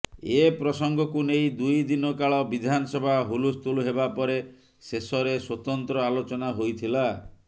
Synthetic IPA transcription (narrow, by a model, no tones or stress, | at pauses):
epɾɔsɔŋɡɔkunejd̪ujd̪inɔkaɭɔbid̪ʱanɔsɔbʱaɦulust̪uluɦebapɔɾe | sesɔɾeswɔt̪ɔnt̪ɾɔalot͡ʃɔnaɦojt̪ʰila